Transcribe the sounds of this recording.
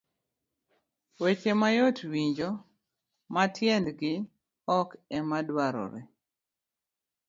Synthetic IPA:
wet͡ʃemajotwiɲd͡ʒo | matʰjɛndɡɪ | ɔkɛmadwaɾɔ̰ɾḛ

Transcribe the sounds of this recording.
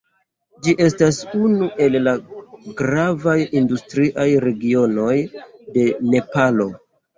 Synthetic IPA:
d͡ʒiʔe̞stasunuʔe̞llaɡɾavajindustɾiʔajɾe̞ɡio̞no̞jde̞ne̞palo̞

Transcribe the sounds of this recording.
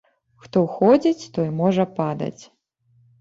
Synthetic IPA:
xt̪ɔwxɔd͡zʲit͡sʲt̪ɔjimɔʐɐpad̪ɐ̰t͡sʲ

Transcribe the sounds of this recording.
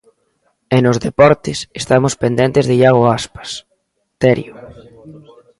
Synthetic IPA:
enozðepɔɾt̪ɪsest̪amospend̪ent̪ezðɪʎaɣoaspḁs | t̪ɛɾjʊ

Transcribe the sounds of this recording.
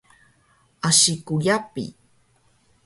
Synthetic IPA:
aʃikujapḭ

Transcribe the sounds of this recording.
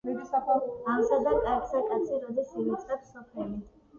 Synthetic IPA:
amsad̪akʼaksakʼat̪sʰiɾɔd̪zisimit̪sʼχɛpsːɔpʰlɛli

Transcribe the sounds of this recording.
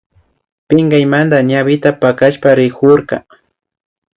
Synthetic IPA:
pɪŋɡajmand̪aɲaβɪt̪apakaʃpaɾɪkoɾka̰

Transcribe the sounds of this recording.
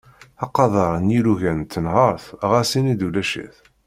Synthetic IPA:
ɑqɑðˤɑɾˤnjiɾuʝænt̪ːənɦəɾθʁæsinid̪ulæʃḭθ

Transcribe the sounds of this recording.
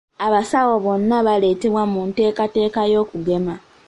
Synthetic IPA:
aβasawo̞βo̞nːaβale̞ːte̞βwamunte̞ːkate̞ːkajo̞ːkuɡe̞ma

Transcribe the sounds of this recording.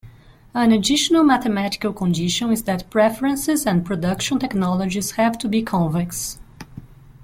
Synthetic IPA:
ə̃nədɪʃɔnəlˠmæθəmætɪ̥kəlˠkʰɔ̃ndɪʃə̃nɪzðæt̚pʰɹɛfəɹə̃nsɪzə̃npʰɹɔdʌkʃə̃ntɛknɔlˠɔd͡ʒiz̥hæv̥tʰubikʰɔ̃ɱvɪks

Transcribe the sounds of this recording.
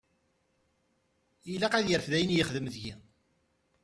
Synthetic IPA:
jilːæqæðjəɾfðæjənjəχðəmðʝi

